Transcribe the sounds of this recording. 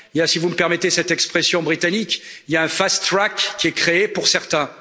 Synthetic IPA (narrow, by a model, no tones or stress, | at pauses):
iljasivuməpɛʁmɛt̪esɛt̪ɛkspχesjɔ̃bʁit̪anikiljaɛ̃fast̪χakːʲiɛkχeepuʁsɛʁt̪ɛ̃